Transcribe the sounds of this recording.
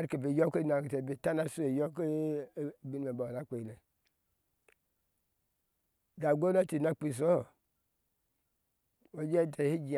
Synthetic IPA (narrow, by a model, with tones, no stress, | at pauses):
a˦ɾke˨be˨jo˦ke˦na˨te˨be˨ta˦na˦su˦e˨jo˦k | bi˦n˦me˨ba˨la˦k͡pe˨le˨ | da˨ɡo˦la˦ti˨na˦k͡pi˦˨s̬o˦˨ | wo˦d͡ʒe˦tʰe˨hi˦d͡ʒi˨